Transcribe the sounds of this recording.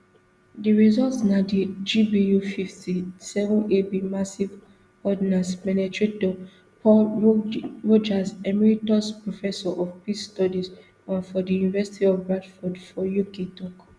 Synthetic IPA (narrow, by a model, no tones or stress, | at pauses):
diɹizɔltsnadid͡ʒibijufiftʰisɛvɔ̃nebimasiv | ɔdinãspɛnetɹetdɔ | pɔ | ɹod͡ʒasɛmiɹitɔspɹofɛsɔʔɔfpisstɔdiz | ãnfɔdijunivɛsi̥tiɔvɹadfɔdfɔjuketɔk